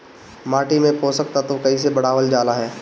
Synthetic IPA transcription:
maːʈimẽpoːsɐk̚t̪at̪okɐis̬ebɐɽ̤aːʋəld͡ʒaːlaɦɛː

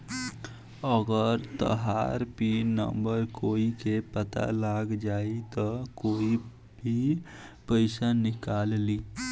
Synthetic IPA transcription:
əɡəɾt̪ə̰ɦa̰ɾpinə̰mbəɾkoːikepət̪a̰laɡd͡ʒaːit̪ɔkoːi | bʱi | pəɪsanɪkalli

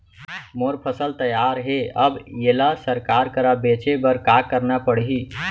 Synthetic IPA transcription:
moɾpʰəsəlt̪əjaɾɦeəbelasəɾkaɾkəɾabet͡ʃebəɾkakəɾnapəɽɦi

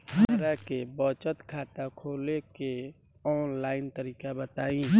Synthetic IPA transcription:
həɾakebɔt͡ʃət̪kʰaːt̪akʰoːleke | ɔːnlaːɪnt̪əɾiːkabət̪aːĩ

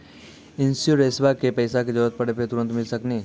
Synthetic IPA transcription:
ɪnsjoɾeːsbakepəjsak̬ed͡ʒɔʋət̪̚pəɽepet̪ʊɾə̃nt̪mɪlsəkneː

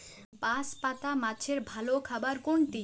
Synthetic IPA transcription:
paspat̪amat͡ɕʰeɾbʱalokʰabaɾkoɳʈi

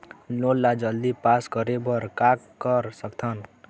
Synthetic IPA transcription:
lolːad͡ʒʌld̪ipaskʌɾebʌɾkakː | ʌɾsʌkt̪ʰʌn

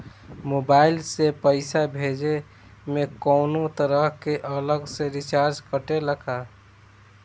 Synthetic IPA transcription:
moːbaːɪlsepəɪsabʱeːd͡ʒe | mẽkɔːnot̪əɾəɦkeʔələɡseɾɪt͡ʃaːɾd͡ʒkəʈeləkʰa

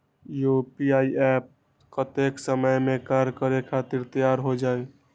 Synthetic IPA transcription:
jopiaːiʔɛp̚ | kət̪eksəməjmẽkaɾkəɾekʰat̪iɾt̪əjaɾɦod͡ʒaːe

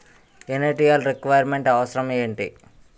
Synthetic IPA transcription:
eneʈijɐlɾikʋɐjɐɾmeɳʈɐʋɐsɾɐmeːɳʈḭ

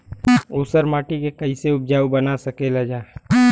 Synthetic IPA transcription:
uːsəɾmaːʈikekɐiseʊp̚d͡ʒaːwbɐnasɐkelad͡ʒaːe

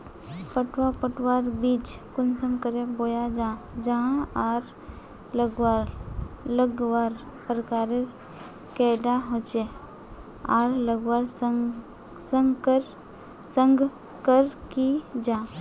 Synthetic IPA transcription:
pəʈʰwapəʈwaːɾbiːt͡ʃkʊnsə̃mkəɾeboːjad͡ʒãːd͡ʒɐɦãaːɾ | ləɡwaɾləɡwaːɾ | pɾəkaːɾe | kɛːɖaɦoːt͡ʃe | aːɾləɡwaɾs | sə̃ŋɡkɾ | sə̃ŋɡ | kəɾkid͡ʒaː

